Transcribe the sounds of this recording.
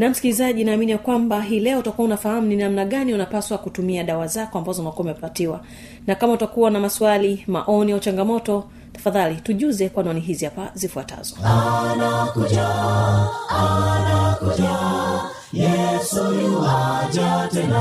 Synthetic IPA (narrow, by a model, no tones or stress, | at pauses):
nam̩skilizaʄinaːminijakwambaɦiːlɛɔutakuaunafaham̩uninam̩naɠaniunapaswakutumiaɗawazakɔambazɔunakuaumɛpatiwa | nakamautakuwanamaswalima̰ʔɔniaut͡ʃaŋɡamɔtɔ | tḁfaðalituʄuzɛkwanɔniɦiziapazifuata̰zɔnakuʄa | anakua | jɛsuaʄaɛ